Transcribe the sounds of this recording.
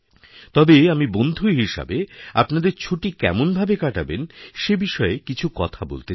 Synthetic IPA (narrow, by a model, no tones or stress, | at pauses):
t̪ɔbeamibond̪ʱuɦiʃa̰bea̰pnad̪eɾt͡ɕʰoʈikɛ̰monbʱabekaʈabenʃebiʃɔekit͡ɕʰukɔ̰t̪ʰabo̰lt̪e